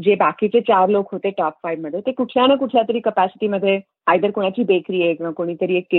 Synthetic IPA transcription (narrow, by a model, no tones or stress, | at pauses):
d͡ʑebakit͡set͡ɕaɾlokɦot̪eʈɔpfajʋməd̪ʱːjet̪ekuʈʰljanakuʈʰljat̪əɾiːkəpæsɪ̥ʈiːməd̪ʱːje | ajd̪əɾkoɽ̃at͡ɕiːbekɾiːeknakoɽ̃iːt̪əɾiːekːe